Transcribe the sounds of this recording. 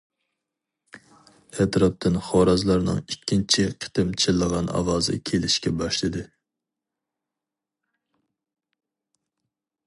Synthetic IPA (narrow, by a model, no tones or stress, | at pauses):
ɛt̪ʰɾɑp̚t̪ʰɨnχɑːɾɑzlˠɑɾnɨ̰ŋikʲːint͡ʃʰiqʰə̥t̪ɪmt͡ʃʰɪlˠːəʁɑnɑ̰wɑːzɨ̰kʲʰelɪʃkʲɛbɑʃlˠɨd̪ɪ